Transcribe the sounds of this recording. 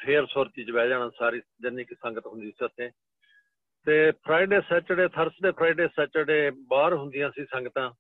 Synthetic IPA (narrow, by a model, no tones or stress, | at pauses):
ʈʰeːəɾsoːɾt̪iːd͡ʒʋɛːd͡ʒaːnãːsaːɾiːd͡ʒənːiːkisəŋɡət̪ɦʊ̃nd̪iːsiət̪ʰːẽː | t̪eːpʰɾaːiːɖeːsɛːt͡ʃəɽeːt̪ʰəɾsɖeːpʰɾaːiːɖeːsɛːt͡ʃəɖeːbaːɾɦʊ̃nd̪ɪjãːsiːsəŋɡət̪ãː